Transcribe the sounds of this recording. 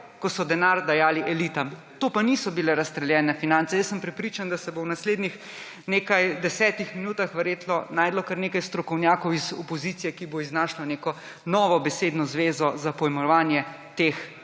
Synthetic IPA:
kɔsɔd̪ɛnaɾd̪ajaːliʔɛliːt̪am | t̪oːpanisɔbilɛɾast̪ɾɛljɛːnɛfinant̪sɛjəsːəmpɾɛpɾit͡ʃand̪asɛbownasleːd̪nix | neːkajd̪ɛsɛːt̪ixminuːt̪axʋəɾjeːt̪nɔnaːjd̪lɔkaɾneːkajst̪ɾɔkɔwnjaːkɔwizɔpɔziːt̪sijɛkiboiznaːʃlɔneːkɔ | nɔːʋɔbɛseːd̪nɔzʋeːzɔzapɔjɛmɔʋaːnjɛ | t̪ex

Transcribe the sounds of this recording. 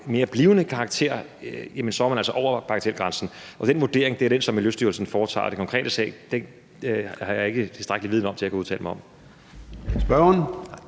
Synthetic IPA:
me̝ːɐb̥liːʊnəkʰɑ̈ːɡ̥̚t͡sʰe̝̰ɐ̰jemənsɒ̽ɑmænæl̰sɒʔɒʊɐpʰɑ̈ɡ̥t͡sʰelɡ̥ʁɑansn̩ʔɒ̽d̥enʋud̥e̝̰ɐ̰eŋd̥e̝æɐɾ̥ensɒ̽miljøsd̥yɐlsn̩fɒːt͡sʰɑ̰̈ːd̥e̝kʰɒ̽ŋkʰʁɛ̰ːd̥əsɛ̰ɪd̥en | hɑ̈jɑ̈e̝ɡ̥ət͡sʰe̝sd̥ʁaɡ̥liʋiðˠn̩ɒ̽mt͡sʰe̝lækʰuuð̞ˠt͡sʰɛ̰ːləmaɒ̽m | sb̥ɶn

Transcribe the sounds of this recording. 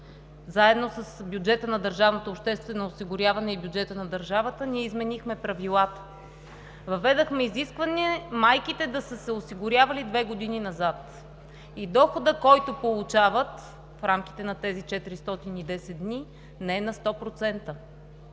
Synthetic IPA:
zaɛd̪nosəsbjʊd͡ʒɛt̪ənɐd̪əɾʒavnot̪oːpʃt̪ɛst̪vɛnoːsiɡʊɾʲavɐnɛibjud͡ʒɛt̪ənɐd̪əɾʒavət̪əniɛizmɛnixmɛpɾɐvilˠat̪ə̥ | vɐvɛd̪əxmɛiziskvɐniɛmajkit̪ɛd̪ɐsəsɛʊsiɡʊɾʲjavɐlid̪vɛɡod̪ininɐzat̪ | id̪ɔxod̪əkɔjt̪opolˠut͡ʃavət̪ | fɾamk̟i̥t̪ɛnɐt̪ɛzit͡ʃɛt̪iɾist̪ɔt̪inid̪ɛsɛt̪̚d̪ni | nɛɛnɐst̪ɔpɾot̪sɛnt̪ə

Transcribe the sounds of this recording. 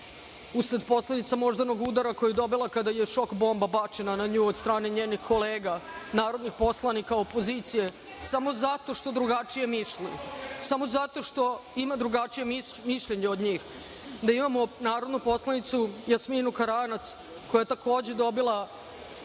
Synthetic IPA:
usɾed̪po̞slˠed̪it̪samo̞ʒd̪anoɡud̪aɾako̞jijed̪o̞bilˠakad̪aje̞ʃo̞kbo̞ːmbabat͡ʃe̞nanaɲuːod̪st̪ɾaːne̞ɲeːnixko̞leːɡanaːɾo̞d̪nixpo̞slˠanikao̞po̞ziːt̪sije̞ | samo̞zat̪o̞ʃt̪o̞d̪ɾuɡat͡ʃije̞miʃlisamo̞zat̪o̞ʃt̪o̞imad̪ɾuɡat͡ʃije̞miʃʎe̞ɲeod̪ɲiːx | d̪aimamo̞naːɾo̞d̪nupo̞slˠanit̪sujasminukaɾanat̪s | ko̞jajet̪ako̞ːd͡ʑe̞d̪o̞bilˠa

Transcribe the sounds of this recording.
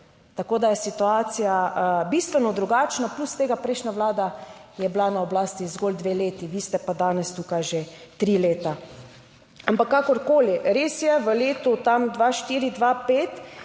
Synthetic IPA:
t̪akoːd̪ajɛsit̪uaːt̪sijabist̪ʋɛnɔd̪ɾuɡaːt͡ʃnaplust̪eːɡapɾɛɪʃnaʋlaːd̪ajɛblanaɔblaːst̪izɡold̪ʋeleːt̪iʋiːst̪ɛpad̪aːnɛst̪uːkajʒet̪ɾiːleːt̪a | ampakːakɔɾkoːliɾeːsjɛʋəleːt̪ut̪amd̪ʋaʃt̪iːɾid̪ʋapeːt̪

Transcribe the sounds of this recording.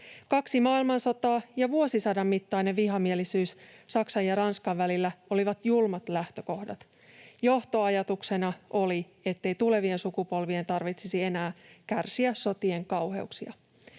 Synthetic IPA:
kɑksimɑːilmɑnso̞t̪ɑːjɑʋuo̞sisɑdɑmːit̪ːɑjne̞ʋʋiɦɑmielisyːssɑksɑjɑɾɑnskɑʋːælilːæo̞liʋɑt̪julmɑt̪læht̪ø̞ko̞hdɑt̪ | jo̞ht̪o̞ɑjɑt̪ukse̞nɑʔo̞li | e̞t̪ːe̞jt̪ule̞ʋie̞nsukupo̞lʋie̞nt̪ɑrʋit̪sisie̞næːkærsiæsːo̞t̪ie̞ŋkɑwhe̞̰uksiɑ

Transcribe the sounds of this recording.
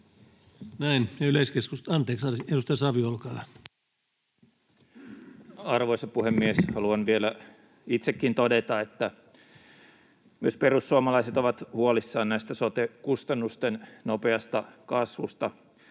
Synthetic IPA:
næinjyleiskeskust̪ɑnt̪eːksɑedust̪ɑjsɑʋiolkɑːlɑ | ɑrʋoisɑpuhemːieshɑluɑnʋielæ | it̪sekːint̪odet̪ɑet̪ːæ | myøsperusːuɑmɑlɑiset̪oʋɑt̪huolisːɑːnnæist̪æsot̪ekust̪ɑnːust̪ennopeɑst̪ɑkɑsʋust̪ɑ

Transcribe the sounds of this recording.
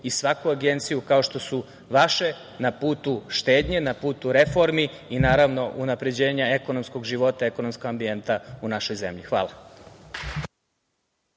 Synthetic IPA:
isʋakuaɡe̞nt̪sijukao̞ʃt̪o̞su | ʋaʃe̞ | napuːt̪uʃt̪e̞ːd̪ɲenapuːt̪uɾe̞fo̞ɾmiinaːɾaʋno̞ʔunapɾe̞d͡ʑe̞ːɲae̞ko̞nomsko̞ɡʒiʋo̞t̪ae̞konomskoɡambie̞nt̪aunaʃo̞jzemʎixʋa̰ːlˠa

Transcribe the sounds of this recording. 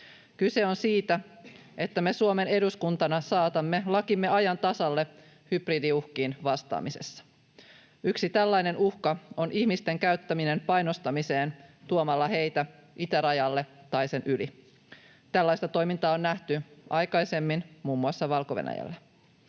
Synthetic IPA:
kyse̞o̞nsiːt̪æ | et̪ːæme̞suome̞ne̞duskunt̪ɑnɑsɑːt̪ɑmːe̞lɑkimːe̞ɑjɑnt̪ɑsɑlːe̞ | hyb̥ridiuhkiːnʋɑst̪ɑ̰ːmise̞̰sːɑ̥ | yksit̪ælːɑjne̞nuhkɑo̞nʔihmist̪e̞ŋkæyɥt̪ːæmine̞mpɑjno̞st̪ɑmise̞ːnt̪uomɑlːɑɦe̞jt̪æ | ʔit̪æɾɑjɑlːe̞t̪ɑjse̞nʔyli | t̪ælːɑjst̪ɑt̪o̞jmint̪ɑːo̞nːæht̪yɑjkɑjse̞mːinmuːmːuɑsːɑʋɑlko̞ʋḛnæ̰jæ̰lːæ

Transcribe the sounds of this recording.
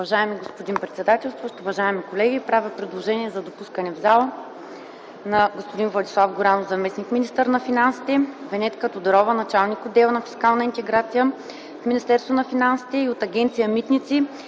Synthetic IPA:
ʊvɐʒaɛmiɡospʊd̪inpɾɛt̪sɛd̪at̪ɛlˠst̪voʃt̪ʊvɐʒaɛmikolɛɡipɾavʲəpɾɛd̪lˠoʒɛniɛzɐd̪opuskənɛvzalˠə | nɐɡospʊd̪invlˠɐd̪ʲislˠafɡʊɾanofzɐmɛsnikminist̪əɾnɐfinansi̥t̪ɛvɛnɛt̪kət̪od̪ɐɾɔvənɐt͡ʃalˠnikʊd̪ɛlˠnɐfi̥skalˠnəint̪ɛɡɾat̪sijə | fminist̪ɛɾst̪vonɐfinansi̥t̪ɛiot̪ɐɡʲɛnt̪sijəmit̪nit̪si

